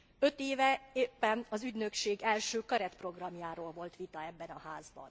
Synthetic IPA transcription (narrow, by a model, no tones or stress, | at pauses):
ø̞t̪eːvɛeːpːɛnɒzyɟnø̞kʃeːɡɛlʃøːkɒɾɛt̪pro̞ɡrɒmjaːɾoːlvo̞lt̪ʋit̪ɒɛbːɛnɒhaːzbɒ̰n